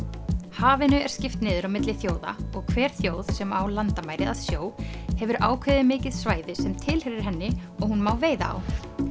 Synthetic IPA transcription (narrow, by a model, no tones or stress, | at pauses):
haːvɪnʏɛɾ̥scɪft̪nɪːðʏɾawmɪt̪lɪθjoːwða̰ɔɣkʰvɛːɾ̥θjoːwðsɛmawlant̪amaːjɾɪðaðsjoːwhɛvʏɾʔa̰ːwkʰɪːðɪmɪːcɪðsvaːjðɪsɛmt̪ʰɪlhɛɾɪɾ̥ɦɛnːɪɔɣhunmawveːjða̰a̰w